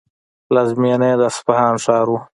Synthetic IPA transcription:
lazmened̪aspahɑːnʂɑːɾu

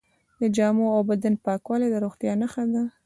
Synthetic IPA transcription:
d̪əd͡ʒɑmoawbad̪anpɑkwɑled̪əɾoɣt̪jɑnəxad̪a

